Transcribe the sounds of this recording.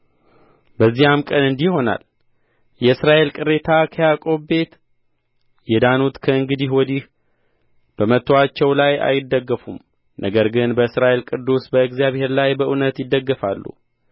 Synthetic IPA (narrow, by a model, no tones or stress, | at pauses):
bəzːihamkʼənɨnd̪iho̞na̰l | jɛɨsɾaʔe̞lkʼɨɾe̞t̪ʰakʰəjakʼo̞bbe̞t̪ | jɛd̪anut̪kʰəɨŋɡɨd̪ihwɔd̪ih | b̥əmət̪ʰːoat͡ʃːɛwlaja̰jɪd̪ːəɡːəfum | nʔəɡəɾɡɨnbəɨsɾaʔe̞lkʼɨd̪ːusbəɨɡzijaβhe̞ɾlajbəʔunət̪jɪd̪ːəɡːəfalːṵ